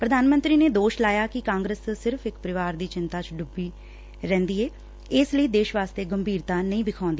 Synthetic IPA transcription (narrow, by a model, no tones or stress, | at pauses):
pɾəd̪aːnmə̃nt̪ɾiːneːd̪oːʃlaːjaːkɪkãːŋɡɾəssɪɾfʰɪkpəɾɪʋaːɾd̪iːt͡ʃɪnt̪aːt͡ʃɖʊbiː | ɾɛ̃ːnd̪iːeː | ɪsləiːd̪eːʃʋaːst̪eːɡəmbʱiːɾt̪aːnəĩːbɪkʰãːnd̪i